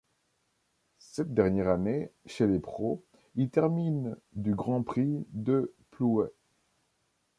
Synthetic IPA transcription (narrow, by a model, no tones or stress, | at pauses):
sɛt̪̚d̪ɛʁnjɛʁaneʃelepχo | ilt̪ɛʁmind̪yɡʁɑ̃pχid̪əpluɛ